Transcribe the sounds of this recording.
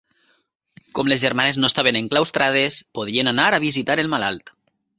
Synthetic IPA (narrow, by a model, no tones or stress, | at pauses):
komlezʒeɾmaneznost̪aβeneŋklawst̪ɾað̞espoð̞ienanaɾaβ̞izit̪aɾelmalalt̪